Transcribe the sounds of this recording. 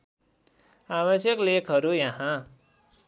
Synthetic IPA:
aβʌsjʌklekʰɦʌɾujʌɦã

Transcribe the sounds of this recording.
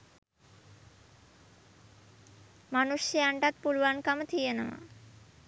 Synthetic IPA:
manuʃʃiaɳʈat̪̚pulwankamət̪ʰijena̰ma̰

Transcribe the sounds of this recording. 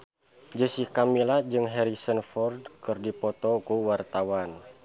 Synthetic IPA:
d͡ʒəsihkamilad͡ʒɨŋɦɛɾisənfɔrdkɨrdipɔt̪ɔkuwart̪awan

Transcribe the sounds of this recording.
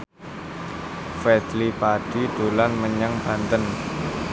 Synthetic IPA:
fɛd̪lipaɖ̥id̪̥o̤lanməɲaŋb̥ä̤nt̪ən

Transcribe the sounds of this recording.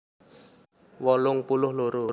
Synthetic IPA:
wɔlʊŋpulʊhloɾo

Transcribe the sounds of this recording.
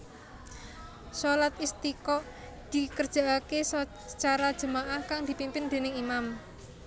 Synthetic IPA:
solat̪ist̪ikɔ | d̪̥i̤kərd̥ʒ̥a̤akes | t͡ʃaɾḁd͡ʒ̥ə̤maʔahkaŋd̪̥i̤pimpɪnd̪̥e̤nɪŋimam

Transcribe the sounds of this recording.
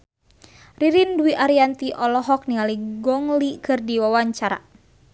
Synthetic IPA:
riɾinduiʔaɾiant̪iʔɔlɔɦɔk̚nialiɡɔŋlikɨrdiwawaɲt͡ʃaɾa̰

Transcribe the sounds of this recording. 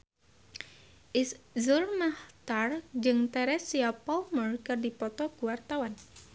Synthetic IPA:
ʔɪs | zʊrmaht̪ard͡ʒɨŋt̪ɛɾɛsiapalmərkɨrdipɔt̪ɔɡuwart̪awan

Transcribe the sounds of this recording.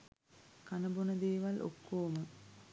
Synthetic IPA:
kanɐbunəd̪eːʋalʔo̰kːoːmə

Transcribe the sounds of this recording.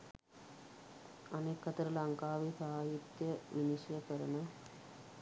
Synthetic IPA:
ɐneːkːɐt̪əɾəlɐŋkaːʋisaɦːaɦit̪jəʋiniʃjəkəɾənə

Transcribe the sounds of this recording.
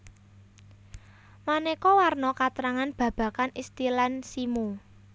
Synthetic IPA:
manekɔwarnɔkat̪ɾaŋanb̥ä̤b̥ä̤kanist̪ilansimu

